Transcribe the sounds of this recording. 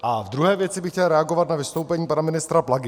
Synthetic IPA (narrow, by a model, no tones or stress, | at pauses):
ʔavd̪ɾuɦɛːvjɛt͡sɪbɪxcɛlɾɛaɡo̞vat̪navɪst̪owpɛɲiːpanamɪnɪst̪ɾaplaɡɪ